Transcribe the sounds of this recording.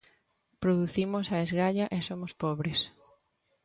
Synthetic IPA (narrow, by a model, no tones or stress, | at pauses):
pɾoðuθimosɐezɣaʎɐʔesomospɔβɾes